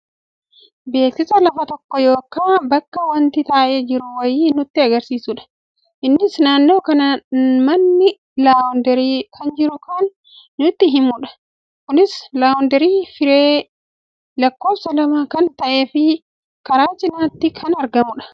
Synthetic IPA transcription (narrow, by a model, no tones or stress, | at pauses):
be̞ːksɪsɐlɐfɐt̪ɔkːɔjo̞ːkːaːbɐkːɐwɐnt̪ɪt̪aːʔe̞ːd͡ʒɪɾʊwɐjiːnʊt̪ːɪɐɡɐɾsiːsʊᶑɐ̥ | ʔɪnːɪsnaːnːo̞ːkɐnɐmɐnːɪ | laːwʊnd̪ɛɾiːkʰɐnd͡ʒɪɾʊkanː | ʊt̪ːɪɦɪmʊᶑɐ̥ | kʊnɪslaːwʊnd̪ɛɾiːfɪɾeː | lɐkːo̞ːfsɐlɐmaːkɐnt̪ɐʔe̞ːfɪ | kɐɾaːt͡ʃɪnaːt̪ːɪkʰɐnɐɾɡɐmʊᶑɐ̥